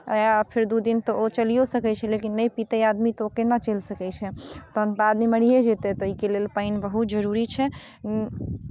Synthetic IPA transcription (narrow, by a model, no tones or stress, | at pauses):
japʰiɾd̪ud̪int̪ɔot͡ʃəlijosəkɛt͡ʃʰɛlekinːəjpit̪ɛad̪mit̪ɔokenat͡ʃelsəkɛt͡ʃʰɛt̪ɔɦə̃nt̪ad̪miməɽ̤ijed͡ʒet̪ɛt̪ɔikelelpaɪnbəɦut̪̚d͡ʒəɾuɾit͡ʃʰɛ